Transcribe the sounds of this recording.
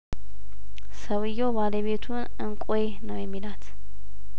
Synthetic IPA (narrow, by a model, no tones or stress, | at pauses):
səwɨjːobaləβet̪ʰun | ɨŋkʼenəwjɛmːilat̪